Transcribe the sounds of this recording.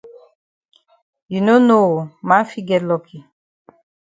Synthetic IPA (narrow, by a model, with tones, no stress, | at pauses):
ji˨no˦no˦˨ma˦fi˦ɡɛ˦tlɔ˨kʰi˨